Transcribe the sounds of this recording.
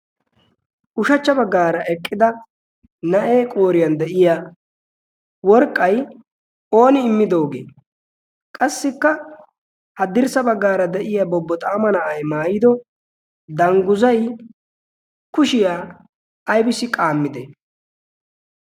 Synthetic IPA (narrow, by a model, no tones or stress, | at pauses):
ʔʊʃɐt͡ʃːɐbɐɡːaːɾɐʔɛkʼːɪd̪ɐ | nɐʔeːkʼoːɾɪjɐnd̪ɛʔɪja | wɔɾkʼːɐj | o̞ːnɪɪmːɪd̪o̞ːɡḛː | kʼɐsːɪkːɐ | hɐd̪ɪɾsɐbɐɡːaːɾɐd̪ɛʔɪjabɔbːɔt̪ʼaːmɐnɐʔɐjmaːjɪd̪ɔ | d̪ɐŋɡʊzɐj | kʊʃɪjaː | ɐjbɪsɪkʼaːmːɪd̪ɛ